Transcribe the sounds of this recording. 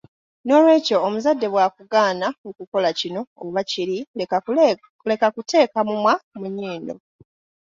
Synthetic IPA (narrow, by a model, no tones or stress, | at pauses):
no̞ːlwe̞ːco̞ːmuzadːe̞βwakuɡaːnaokuko̞lacino̞o̰βaciɾi | le̞kakute̞ːkamumwamuɲiːndo̞̰